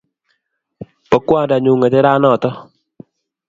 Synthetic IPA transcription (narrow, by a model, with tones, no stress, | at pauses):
pɔ˨kwa˦˨da˨ɲu˨ŋa˨d͡ʒɛ˦ɾa˦nɔ˦˨t̪ɔ˦